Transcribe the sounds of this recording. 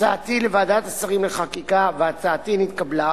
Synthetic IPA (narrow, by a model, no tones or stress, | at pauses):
aat̪ilevaːd̪at̪asaʁimleχakikaveat͡saːt̪init̪kabla